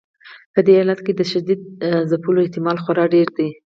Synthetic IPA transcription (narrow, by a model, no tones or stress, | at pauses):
pəd̪eɑlat̪ked̪əʃad̪id̪̚zapuloɪht̪ɪmɑlxwaɾɑɖeɾd̪i